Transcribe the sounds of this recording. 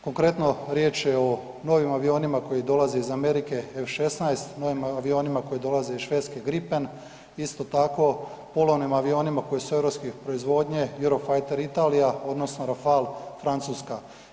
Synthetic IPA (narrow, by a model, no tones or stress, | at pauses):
ko̞ŋkɾe̞t̪no̞ɾjeːt͡ʃjeo | no̞ʋimaʋio̞ːnimako̞jid̪o̞lazeizame̞ɾike̞efʃe̞snajest̪no̞ʋimaʋio̞ːnimako̞jid̪o̞lˠazeizʃʋe̞t̪skeɡɾipe̞n | ist̪o̞t̪ako̞polˠoʋnimaʋio̞ːnimako̞jesue̞vɾo̞pskepɾoizʋo̞ːd̪ɲejuɾofajt̪e̞ɾit̪aːlijao̞d̪no̞sno̞ɾafalfɾant̪suːska